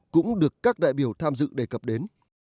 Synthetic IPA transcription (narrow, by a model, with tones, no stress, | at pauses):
kʊ̰˧˥ŋ͡mɗɨ˨˩əkːaː˦˥k̚ɗa̰ː˧˨jɓi˧˩əwt̪ʰaː˧mzɨ̰˧˨ɗe˧˩kə˨˩p̚ɗe˨˦n